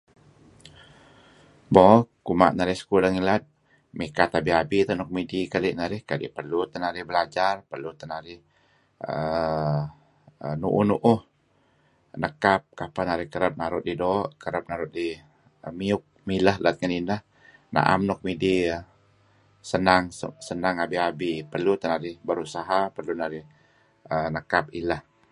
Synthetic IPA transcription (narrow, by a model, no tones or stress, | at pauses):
bɔkuma̰ʔnaɾɪhsə̥kuləŋilat̪̚ | mikat̪abiabit̪ənɔk̚midikaliʔnaɾɪhkadɪ̰ʔpərlut̪ənaɾɪhbəlad͡ʒarpərlut̪ənaɾɪh | ə | ənṵʔunuʔʊh | nəkap̚kapanaɾɪhkəɾəp̚naɾʊt̪̚didoʔkəɾəp̚naɾʊt̪̚di | əmiʊk̚miləhlat̪̚ŋəninəh | na̰ʔa̰mnɔk̚midiə | sənaŋsənaŋabiabipərlut̪ənaɾɪhbəɾusaɦapərlunaɾɪh | ənəkap̚iləh